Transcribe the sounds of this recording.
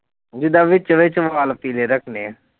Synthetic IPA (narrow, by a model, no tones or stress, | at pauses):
d͡ʒɪd̪aːʋɪt͡ʃʋɪt͡ʃʋaːlpiːleːɾəkʰneːɛ